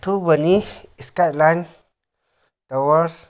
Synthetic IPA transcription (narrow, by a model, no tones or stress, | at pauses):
t̪ubəniiskalan | t̪awas